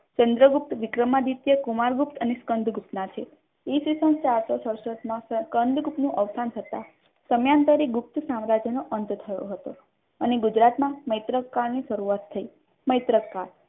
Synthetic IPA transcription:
t͡ʃənd̪ɾəɡup̚t̪ʋɪkɾəmad̪it̪jəkumaɾɡupt̪əneskənd̪ʱɡupnat͡ʃʰe | esisənt͡ʃaɾsosəɾʃɾət̪mãskənd̪ʱɡup̪nũʔəʋsant̪ʰət̪a̰ | səmjant̪əɾiɡup̚t̪sãmɾad͡ʒjənoʔənt̪t̪ʰəjõ̰ɦət̪o | əneɡud͡ʒɾat̪mãməjt̪ɾəkːaɾniʃəɾuat̪ʰːəi | məjt̪ɾəkːaɾ

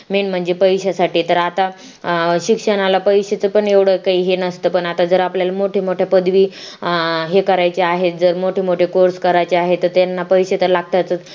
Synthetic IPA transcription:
meɳm̤əɳd͡zepəjɕasaʈiːt̪əɾat̪a | ɕikʂəɳ̃alapəjɕet͡səpəɳeʋɽ̤əkaɦiːɦenəst̪əpəɳat̪ad͡zəɾapljalamoʈʰemoʈʰjapəd̪ʋiː | ɦekəɾajt͡ɕeaɦet̪̚d͡zəɾmoʈʰemoʈʰekoɾskəɾajt͡ɕeaɦet̪ːəɾt̪janːapəjɕet̪əɾlaɡ̚t̪at͡sə

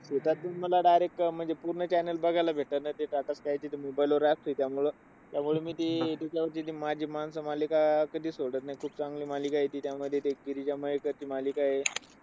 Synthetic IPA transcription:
set̪at̪ːuːnməlaɖajɾek̚m̤əɳd͡zepuɾɳət͡ɕɛnəlbəɡʱalabʱeʈəɾnat̪eʈaʈəskajt͡ɕiːt̪emobajloɾap̚t̪ɦoit̪jamuɭə | t̪jamuɭemiːt̪et̪et͡ɕjaʋəɾt͡ɕit̪imad͡ʑʱiːmansəmalikakəd̪ʱiːsoɽət̪̚najkʰuːp̚t͡sãŋɡliːmalikajet̪iːt̪jaməd̪ʱːjet̪eɡiɾit͡ɕaməɦekəɾt͡ɕiːmaliːkaɦe

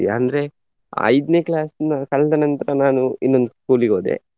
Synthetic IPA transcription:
iɐnd̪ɐɾe̞ | ɐ̰jd̪neːklaːsnːɐkɐɭːɐd̪ɐnɐnt̪ɐɾɐnaːnuinːond̪uskuːliɡo̞ːd̪ḛ

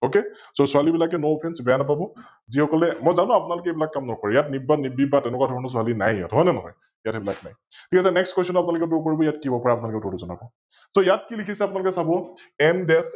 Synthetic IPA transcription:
oke | sosualibilak̬ɛnoopʰɛnsbɛjanapabɔ | zihɔkɔlɛmɔjzanũapʊnalʊkɛebilakːamnɔkɔɹɛjatnibanibibatɛnɛkwadʱɔɹɔnɔsʊalinajja̰tɦɔjnɛnɔɦɔ̰j | jatebila̰kna̰j | tʰikasɛnɛkskwestɔnapʊnalʊk̬ɛtoɹkoɹibɔjatkibɔpɔɹapʊnalkɛtotuzɔna̰bɔ | sojat̚kilikʰisɛapʊnalʊkɛsabɔ | ɛmdɛs

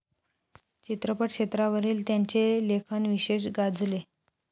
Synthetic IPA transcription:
t͡ɕit̪ɾəpəʈɕet̪ɾaʋəɾiːlt̪jaɲt͡ɕelekʰənʋiɕeɕɡad͡zle

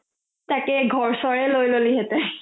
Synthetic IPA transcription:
takɛɡʱɔɹsɔɹɛlojloliɦɛtɛ

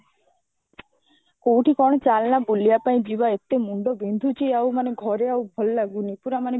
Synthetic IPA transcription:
kowʈʰikɔɽ̃ɔt͡ʃalnabulijapaĩd͡ʒibaet̪ːemuɳɖobind̪ʱut͡ʃʰiawmaneɡʱɔɾeawbʱɔlːaɡunipuɾamane

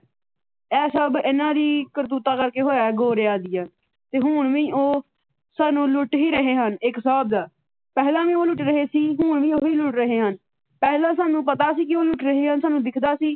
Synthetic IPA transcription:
ɛːsəbɪnãːɾiːkəɾt̪̬uːt̪aːkəɾkeːɦoːjaːɡoːɾeːaːd̪ɪjaː | t̪eːɦʊːɳʋĩːoː | saːnũːlʊʈɦiːɾəɦeːɦənɪksəaːb̚d̪aː | pɛːlãːʋĩːoːlʊʈɾəɦeːsiːɦʊːɳʋĩːoːiːlʊʈɾəɦeːɦən | pɛːlãːsaːnũːpət̪aːsiːkɪoːlʊʈɾəɦeːɦənsaːnũːd̪ɪkʰd̪aːsiː

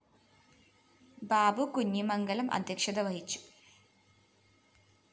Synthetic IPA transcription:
baːbukuɲːimɐŋɡɐlɐmʔɐ̰d̪ʱjɐkʂɐd̪ɐʋɐɦit͡ɕːu̥

